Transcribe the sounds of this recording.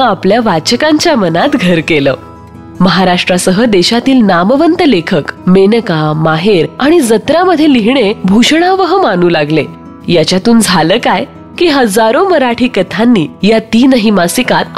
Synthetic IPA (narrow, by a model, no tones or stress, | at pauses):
apljaʋat͡ɕəkãɲt͡ɕjamənat̪ɡʱəɾkeləː | məɦaɾaʂʈɾasəɦəd̪eɕat̪iːlnaməʋənt̪əlekʰəkmenəkamaɦeɾaɽ̃id͡zət̪ɾaməd̪ʱjeliɦɳebʱuɕɳaʋəɦəmañuːlaɡle | jat͡ɕjat̪uːnd͡zʱaləːkaj | kiːɦəd͡zaɾoməɾaʈʰiːkət̪ʰanːiːjat̪iːnəɦimasikat̪